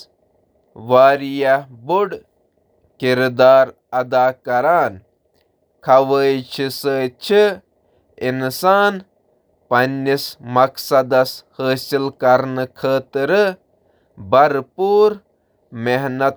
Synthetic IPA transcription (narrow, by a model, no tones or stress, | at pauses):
ʋaːɾijɐbuɽ | kiɾd̪aːɾ | ɐd̪aːkɐɾaːn | kʰɐʋəːjt͡ʃʰisəːt͡ʃʰi | insaːn | pɐnːismɐksɐd̪ɐshəːsilkɐɾnɨkʰəːt̪ɾɨ | bɐɾpuːɾ | meɦnɐt̪